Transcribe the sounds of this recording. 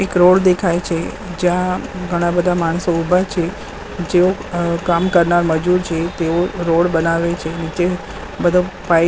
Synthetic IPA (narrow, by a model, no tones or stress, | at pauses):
ekɾoɽd̪ekʰajt͡ʃʰe | d͡ʒjãɡʱəɽ̃ãbəd̪ʱamaɽ̃soubʱat͡ʃʰe | d͡ʒeokamkəɾnaɾməd͡ʒuɾt͡ʃʰet̪eoɾoɽbənaʋet͡ʃʰenit͡ʃe | bəd̪ʱõpa